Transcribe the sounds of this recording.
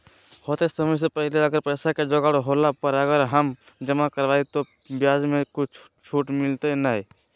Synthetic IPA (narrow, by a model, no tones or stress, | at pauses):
hoːt̪esəməs̬epəɦleəɡəɾpəːsaked͡ʒoɡaɽɦoːlapəɾəɡəɾɦəm | d͡ʒəmãkəɾʋaːit̪o | bjaːd͡ʒmẽkʊt͡ʃʰ | t͡ʃʰuʈmɪlt̪enai